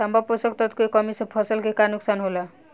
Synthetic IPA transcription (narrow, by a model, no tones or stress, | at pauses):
ambʱaposʌkt̪ʌt̪koekːʌmispʰʌsʌlkekanuksanɦola